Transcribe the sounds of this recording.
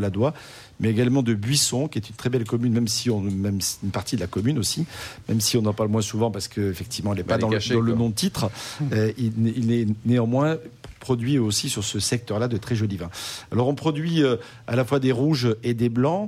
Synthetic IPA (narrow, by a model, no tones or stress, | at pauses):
lad̪wa | mɛeɡalmɑ̃d̪əbɥisɔ̃kʲiɛt̪ynt̪χɛbɛlkɔmynmɛmsiɔ̃mɛmsinpaʁt̪id̪əlakɔmynosimɛmsiɔ̃nɑ̃paʁlmwɛ̃suvɑ̃paʁsə̥kəefɛk̚t̪ʰivmɑ̃ilɛpad̪ɑ̃ʃd̪ɑ̃lənɔ̃d̪ət̪it̪χəøiilɛneɑ̃mwɛ̃pχɔd̪ɥiosisyʁsəsɛk̚t̪œʁlad̪ət̪χɛʒɔlivɛ̃alɔʁɔ̃pχɔd̪ɥiø | alafwad̪eʁuʒed̪eblɑ̃